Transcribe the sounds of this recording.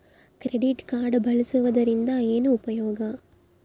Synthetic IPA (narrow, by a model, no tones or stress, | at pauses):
kɪɾɛɽɪʈkaːɾɖɯbɐɭɐsɯʋɐðɐɾɪnd̪aːeːnɯʊpɐjoːɡaː